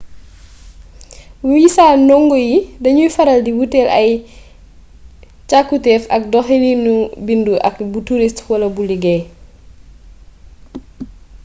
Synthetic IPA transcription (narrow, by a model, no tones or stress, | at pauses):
wujisaːnɔŋɡɔjidɐɲujfɐɾɐldiwutɛlɐj | t͡ʃakːutɛːfɐk̚dɔxɛlinubinduʔɐ̰kbutuɾistwɐlɐbuliɡɛ